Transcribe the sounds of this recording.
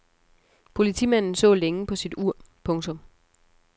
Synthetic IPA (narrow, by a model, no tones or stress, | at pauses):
pʰo̝lit͡sʰḭːmæn̰n̩sɔ̰̽ːleŋəpʰɒ̽sid̥uɐ̰pʰɔ̽ŋt͡sʰɔ̽m